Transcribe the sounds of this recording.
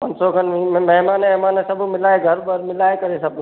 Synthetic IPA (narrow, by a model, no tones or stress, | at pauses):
pɐnsokənimɐɦmaːnɦmaːnesɐbʱmɪlaːeɡʱɐɾbəɾmɪlaːekɐɾesɐbʱ